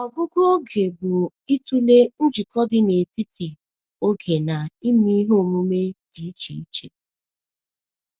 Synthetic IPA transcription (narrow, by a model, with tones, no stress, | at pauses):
ɔ˨ɡʊ˦ɡʷʊ˦o˦ɡe˨bʊ˨ | i˦tu˦le˦n̩˦d͡ʒi˨kɔ˦dɪ˦ne˨ti˦ti˨ | o˦ɡe˨na˨i˦ni˦ɦo˦˨mu˦me˦d̥i˨i˦t͡ʃḭ˨ḭ˦t͡ʃe˨